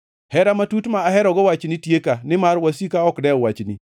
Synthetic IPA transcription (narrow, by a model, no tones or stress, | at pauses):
hɛɾamatutmaːɦɛɾɔɡɔwat͡ʃnitjekanɪmaɾwasikaɔkdɛɔwat͡ʃnḭ